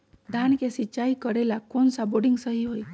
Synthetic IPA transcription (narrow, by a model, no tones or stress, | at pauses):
d̪ʱankesit͡ʃaikəɾelakonsaboɽiŋɡsəɦiɦoj